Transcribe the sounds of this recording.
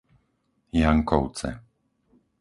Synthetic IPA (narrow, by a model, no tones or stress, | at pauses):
jaŋkɔʊt͡sɛ̰